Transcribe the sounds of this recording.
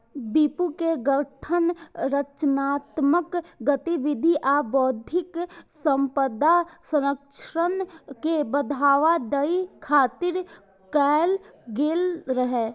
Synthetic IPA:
biːpukeɡəʈʰənɾət͡ʃnaːt̪məkɡət̪iʋɪd̪ʱiʔaːbɔːd̪ʱɪksə̃mpəd̪asəɾəkʃɾənkebəd̪ʱaːʋad̪əikʰaːt̪ɪɾ | kɛːl | ɡeːlɾəɦeː

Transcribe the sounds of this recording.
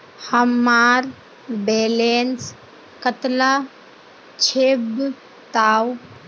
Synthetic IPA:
həmːaɾ | belens | kət̪la | t͡ʃʰeb | t̪aw

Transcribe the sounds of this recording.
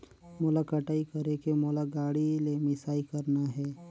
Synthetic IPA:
mʊlakəʈaːikɐɾekemolaɡaːɽilemɪsaːikəɾnaɦɛː

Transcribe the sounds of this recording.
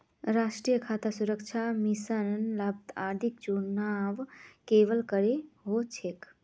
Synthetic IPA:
ɾaʃʈɾijəkʰat̪asuɾəkt͡ʃʰamisənnlab̚t̪ad̪ʱik̚t͡ʃunaʋkeʋəlkəɾeɦot͡ʃʰek

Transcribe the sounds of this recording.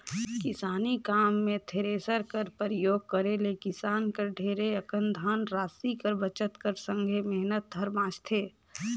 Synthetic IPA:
kɪsaːnikaːmːẽt̪ʰeɾeːsəɾkəɾpəɾɪjoːɡ̚kəɾelekɪsaːnkəɾɖʱeːɾeəkə̃nd̪ʱaːnɾaːsikəɾbət͡ʃət̪kəɾsə̃ŋɡʱemɛɦnət̪̚d̪ʱəɾbãːt͡ʃt̪ʰeː

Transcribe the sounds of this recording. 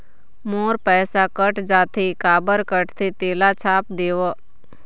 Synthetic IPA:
moːɾpɛːsakəʈd͡ʒaːt̪ʰikaːbəɾkəʈt̪ʰit̪eːlat͡ʃʰaːp̚d̪eːʋo

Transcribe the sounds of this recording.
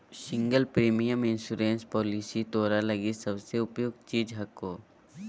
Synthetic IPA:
sɪ̃ŋɡəlpɾiːmijəmɪ̃nsuɾẽːnspɔːlisit̪oːɾalɐɡisɐbseʊpjʊɡ̪̚t͡ʃiːd͡ʒɦɐkːoː

